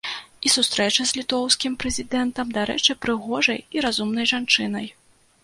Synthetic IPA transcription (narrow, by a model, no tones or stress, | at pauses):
isust̪ɾɛt͡ʂɐzʲlʲit̪ɔwskʲimpɾɛzʲid̪ɛnt̪ɐmd̪aɾɛ̰t͡ʂɨpɾɨɣɔʐɐjiɾazumnɐjʐant͡ʂɨnɐj